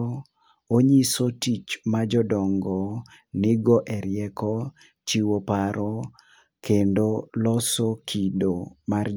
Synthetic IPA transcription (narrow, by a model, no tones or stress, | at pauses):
oɲisotit͡ʃmad͡ʒɔdɔŋɡɔ | nɪɡɔʔɛɾjɛkɔ | t͡ʃiwopaɾɔ | kendolɔsokʰidomar